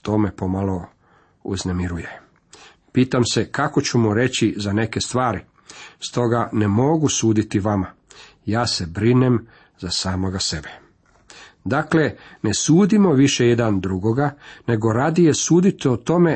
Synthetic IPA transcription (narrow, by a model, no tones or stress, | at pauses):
t̪ome̞po̞malo̞ | uznemiɾuje | piːt̪amse̞kako̞t͡ɕumuɾe̞t͡ɕizane̞ke̞st̪ʋaːɾi | st̪o̞ɡane̞mo̞ɡusuːd̪it̪iʋama | jaːse̞bɾinem | zasaːmoɡase̞be̥ | d̪akle̞ne̞suːd̪imo̞ʋiʃe̞je̞d̪and̪ɾuɡo̞ɡane̞ɡo̞ɾaːd̪ije̞suːd̪it̪ot̪o̞me̞